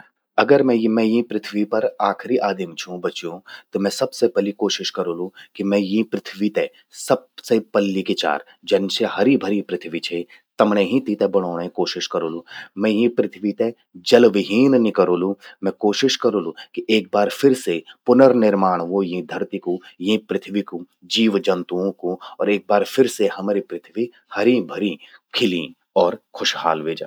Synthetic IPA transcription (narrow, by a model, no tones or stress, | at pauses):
ɐɡəɾmɛ̃jmɛ̃jĩpɾɪt̪ʰʋipɐɾaːkʰɾiʔaːd̪ɪmt͡ʃʰũbɐt͡ʃjũt̪omɛ̃sɐbsepɐlikoːʃɪʃkɐɾoːlũkimɛ̃jĩpɾɪt̪ʰʋit̪ɛ | sɐb̚sepɐlːiket͡ʃa̰ːɾ | d͡ʒɐnseɦɐɾibʱɐɾipɾɪt̪ʰʋit͡ʃʰe | t̪ɐmnẽɦĩt̪it̪ebɐɽ̃oːɽ̃ekoːʃɪʃkɐɾoːlũːmɛ̃jĩpɾɪt̪ʰʋit̪ɛ̃ | d͡ʒɐlʋɪɦiːnnɪkəɾoːlũmɛ̃koːʃɪʃkɐɾoːlukiʔeːk̚baːɾfɪɾsepʊnəɾnɪɾmaːɽ̃ʋojĩd̪ʱɐɾt̪ikojĩpɾɪt̪ʰʋiku | d͡ʒiːʋd͡ʒɐ̃nt̪uõkoɔːɾeːk̚baːɾfɪɾsehɐmɾipɾɪt̪ʰʋi | hɐɾibʱɐɾikʰɪlḭ̃ | ɔːɾxʰʊʃhaːlʋeːd͡ʒa̰ː